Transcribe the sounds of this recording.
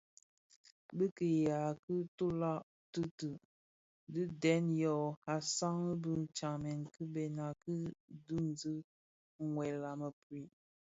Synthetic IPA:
bə˦kə˨ja˨kɨ˦tu˦la˦ʔ | tə˦tə˨ | də˦dɛ˨˦njɔ˨a˨sa˦ŋə˦bə˦t͡ʃa˨ŋmɛ˨nkɨ˦bɛ˨na˨kə˦du˦n˦d͡zə˦ | ŋwɛ˨la˨mə˨pwi˨

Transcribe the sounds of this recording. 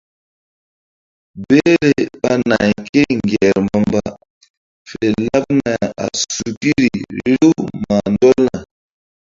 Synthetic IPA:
be˦ɾe˨ba˦na˨jke˦ŋ˨ɡjɛ˨ɾmba˨mba˨ | fe˨la˦p̚na˨a̰˨su˨ki˦ɾi˨˦ɾu˦ma˨ndɔ˦lna˨

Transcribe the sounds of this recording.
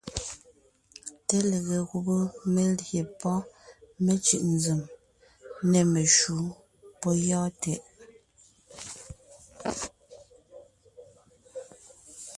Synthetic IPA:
tɛ˦le˨ɣe˨ɣu˨bo˦me˨lje˨pɔ˦me˦t͡ʃʉ̰˨ʔn˨zʉ˨m | nɛ˨me˨ʃu˨˦ | pɔ˦jɔː˦tɛ˨ʔ

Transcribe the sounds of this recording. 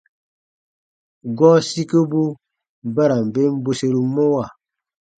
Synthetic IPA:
ɡɔ˦si˦kə˦bu˦ | ba˦ɾa˨m̩˨be˦m̩˦bo˦se˦ɾi˨mo˦wa˦˨

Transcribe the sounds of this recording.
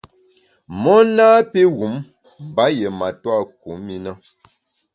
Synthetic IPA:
mɔ˦naː˦pe˦ɣu˨˦m | m˨ba˨˦je˨ma˨twa˦˨k̚u˨˦mi˦na˦

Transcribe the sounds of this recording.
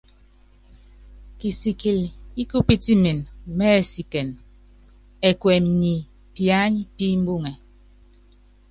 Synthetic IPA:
ki˨si˨ki˨li˦ku˦pi˦ti˦mi˨n˨mɛ˦e˨si˨ke˨n | e˨kwe˨m̩˨ɲi˨ | pja˦ɲpi˦m̩˦bu˦˨ŋe˨

